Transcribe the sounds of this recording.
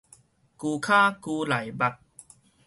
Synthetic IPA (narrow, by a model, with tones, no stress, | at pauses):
kuː˧kʰaː˥˩kuː˧la˨˩˦jba˨˩t̪̚